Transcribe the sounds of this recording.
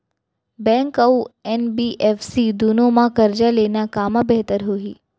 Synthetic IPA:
bɛ̃ŋkəuɛnbiʔefsid̪unomãkəɾd͡ʒaleːnakaːmabɛɦt̪əɾɦoiː

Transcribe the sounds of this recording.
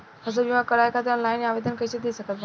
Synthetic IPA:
hɐzəbiãkɐɾaːikʰaːt̪ɾənlaːɪnaːʋeːd̪ʱənkɐt͡ɕet̪ʰisɐɡʱət̪b

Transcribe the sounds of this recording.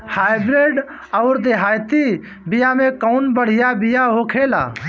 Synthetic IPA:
haːɪbɾeːɖ | əʊɾd̪eɦaːjt̪i | bɪjamẽkəʊnbəɽ̤ɪjabɪjaɦokʰeːla̰ː

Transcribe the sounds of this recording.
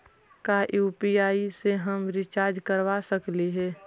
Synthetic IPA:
kajuːpiaːiseɦəmɾɪt͡ʃaːɾd͡ʒkəɾʋasəkliɦɛː

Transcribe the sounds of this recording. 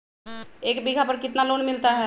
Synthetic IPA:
eːkbiɡʱapəɾkɪt̪naloːnmɪlt̪aɦɛ

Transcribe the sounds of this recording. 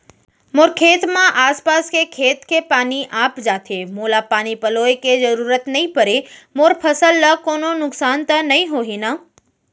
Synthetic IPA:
moːɾkʰeːt̪mãʔaːspaːskekʰeːt̪kʰepaːniʔaːpd͡ʒaːt̪ʰemoːlapaːnipəloːekezəɾuːɾət̪nɐɦĩpəɾemoːɾpʰəsəlːəkoːnonʊksaːnt̪ənɐɦĩɦoɦina

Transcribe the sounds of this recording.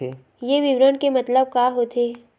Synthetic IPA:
e | jeʋɪʋɾənkemɐt̪ləb̚kaːɦot̪ʰeː

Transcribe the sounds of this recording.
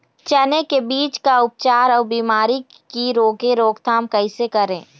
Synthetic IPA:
t͡ʃɐnekebiːt͡ʃkaʊp̚t͡ʃaːɾɔːɾbiːmaːɾi | kiɾoːɡẽɾoːɡt̪ʰaːmkɐɪsekɐɾẽː

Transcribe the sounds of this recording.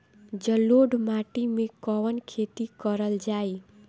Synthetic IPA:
d͡ʒəloɖmaʈimẽkɔʋənkʰet̪ikəɾəld͡ʒaːi

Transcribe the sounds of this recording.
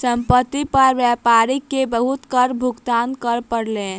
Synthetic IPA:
səmpət̪ːipəɾbjapaɾikːebəɦut̪kəɾbʱuɡt̪ankəɾpəɾlen

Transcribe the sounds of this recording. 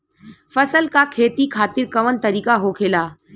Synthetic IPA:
fəsəlkakʰeːt̪ikʰaːt̪iɾkɐʋənt̪əɾiːkaɦokʰeːlaː

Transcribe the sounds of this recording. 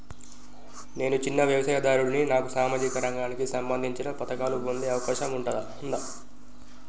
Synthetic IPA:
ne̞ːnut͡ʃinːɐʋjɐʋɐsɐːjɐd̪aːɾuɽuninaːkusaːmaːd͡ʒikɐɾɐŋɡaːnikisɐmbɐnd̪ʱiɲt͡ʃinɐpɐt̪ɐkaːluond̪iɐʋɐkaːʃɐmuɳʈɐd̪ɐ | und̪ɐ

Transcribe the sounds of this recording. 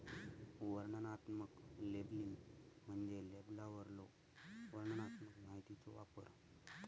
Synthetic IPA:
ʋəɾɳənat̪məkleblinm̤əɳd͡zeleblaʋəɾlo | ʋəɾɳənat̪məkmaɦit̪it͡soʋa̰pə̰ɾ

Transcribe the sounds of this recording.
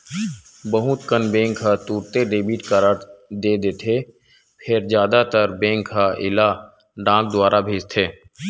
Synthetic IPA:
bəɦʊt̪kənbẽːŋkɦat̪uːɾt̪eɖeːbiːʈkaɾəʈ̪d̪eːd̪eːt̪ʰeː | pʰɪɾzjaːd̪at̪əɾbẽːŋkɦaʔɪ̰la | ɖãːk̚d̪ʊwaːɾabʱeːd͡ʒt̪ʰeː

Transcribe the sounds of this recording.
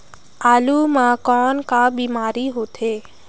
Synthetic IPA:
aːluːmãkɔːnkabiːmaːɾiːɦoːt̪ʰeː

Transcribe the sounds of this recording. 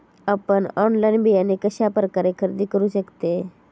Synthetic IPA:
apəɳɔnlajnbijanekəɕapɾəkaɾekʰəɾd̪ikəɾuʃəkt̪e

